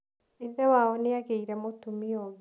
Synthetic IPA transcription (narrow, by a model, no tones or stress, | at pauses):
eðɛwaɔneaɣeiɾɛmotumiɔɣ